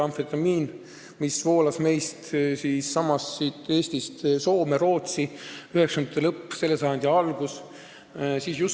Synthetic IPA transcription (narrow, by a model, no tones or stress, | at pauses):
ɑmfet̪ɑmiːn | misvo̞ːlɑsme̞jst̪siːsːɑmɑsːit̪ːˑe̞ːst̪ist̪so̞ːme̞ɾo̞ːt̪siyhe̞ksɑnd̪ɑt̪ːˑelɤpːse̞lːesɑjɑnd̪̥ʲiɑlɡ̥us | sisjus